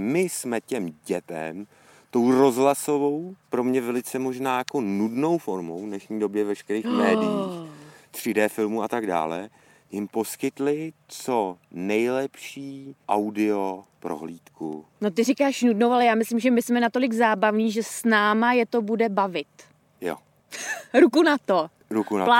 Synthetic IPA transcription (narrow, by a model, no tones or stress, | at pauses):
mɪsmɛcɛmɟɛt̪ɛ̰m | t̪o̞wɾozɦlasovowpɾo̞mɲɛvɛlɪt͡sɛmo̞ʒnaːjako̞nudno̞wfoɾmowvnɛʃɲiːdo̞bjɛvɛʃkɛɾiːxmɛːdɪixt̪r̝̥ɪdɛːfɪlmuat̪aɡda̰ːlɛ | jɪmpo̞skɪt̪lɪt͡sonɛjlɛpʃiːʔawdɪopɾo̰ɦliːt̪kṵno̞t̪ɪrɪkaːʃnudnowʔalɛjaːmɪslɪmʒɛmɪsmɛnat̪o̞lɪɡzaːbavɲiːʒɛsnaːmajɛt̪o̞budɛbavɪt̪ | jo̰ | ɾukunat̪o | ɾukua